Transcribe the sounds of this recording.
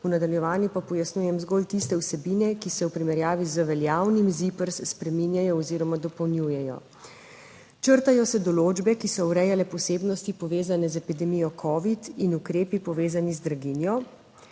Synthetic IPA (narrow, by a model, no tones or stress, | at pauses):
unad̪aljɛʋaːnjipapɔjasnujɛmzɡoːlt̪ist̪ɛwsɛbiːnɛkisɛwpɾimɛɾjaːʋizəʋɛljaːwnimzipəɾsspɾɛminjajɔːziɾɔmad̪ɔpɔwnjujɛjɔ̰ | t͡ʃəɾt̪ajɔsɛd̪ɔloːd͡ʒbɛkisɔwɾɛjalɛpɔseːbnɔst̪ipɔʋeːzanɛzɛpid̪ɛmijɔkʰɔːʋit̪inukɾeːpipɔʋeːzanizd̪ɾaɡinjɔ